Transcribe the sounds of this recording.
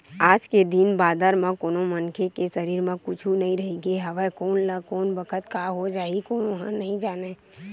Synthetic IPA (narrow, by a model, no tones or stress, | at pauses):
aːd͡ʒked̪inbaːd̪əɾmãkoːnomənkʰekesəɾiːɾmẽkʊt͡ʃʰunɐɦĩɾɐɦiɡeɦɐʋɛkoːnlakoːnbəkʰət̪kaːɦod͡ʒaːikoːnɦãnɐɦĩd͡ʒaːne